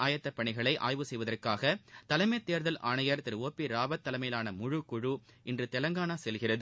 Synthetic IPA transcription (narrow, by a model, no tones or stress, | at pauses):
aːjɐt̪ːɐpːɐɳɪɣɐɭɐɪʔa̰ːjʋɯsɛjʋɐðɐrkaːɣɐt̪ɐlɐɪmɐt̪ːeːɾðɐlʔa̰ːɳɐjɐɾt̪ɪɾɯʋoːpːiɾaːbɐt̪ːɐlɐɪmɐjɪlaːnɐmʊɻɯkːʊɻuʔɪndrɯt̪ɛlɐŋɡaːɳasɛlɣɪrɐðɯ